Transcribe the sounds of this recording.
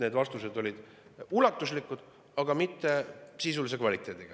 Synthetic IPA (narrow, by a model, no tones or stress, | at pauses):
ne̞ːd̪vɑst̪use̞d̪o̞lʲid̪̥ | ulɑt̪ːˑuslikːˑud̪̥ | ɑɡ̥ɑmit̪ːe̞sis̬ulis̬e̞kvɑlʲit̪ːˑe̞ːd̪̥iɡ̥ɑ